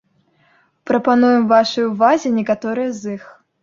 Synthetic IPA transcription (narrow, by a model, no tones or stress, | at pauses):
pɾɐpanujɛmvaʂɨjuvazʲinʲɛkat̪ɔɾɨjɐzix